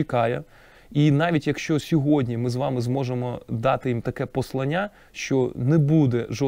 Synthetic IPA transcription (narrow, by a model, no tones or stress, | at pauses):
ikɑjɛ | inɑʋʲitʲjɐkʃt͡ʃɔsʲɔɦɔdʲnʲimɪzʋɑmɪzmɔʒemɔd̪ɑt̪ɪjimt̪ɐkɛpɔslˠɐnʲːa | ʃt͡ʃɔnɛbud̪ɛʒɔ